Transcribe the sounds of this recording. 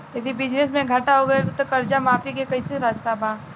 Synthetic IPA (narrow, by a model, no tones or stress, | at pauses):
jɐd̪ibɪd͡ʒnesmẽɡʱɐʈaɦoɡɐet̪okɐɾd͡ʒamaːfikekɐiseɾaːst̪abãː